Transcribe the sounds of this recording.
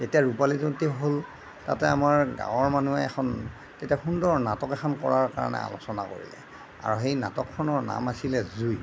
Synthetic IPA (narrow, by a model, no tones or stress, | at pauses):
tetiaɹupalizɔntiɦol | tatɛamaɹɡã̰wɔɹmanuɛɛkʰɔn | tetiaxundɔnatɔkɛxʰɔnkɔɹaɹkaɹa̰nɛ̰a̰losɔnako̰ɹḭlɛ̰ | a̰ɹuxejna̰tɔkʰːɔnɔɹna̰masilɛzuj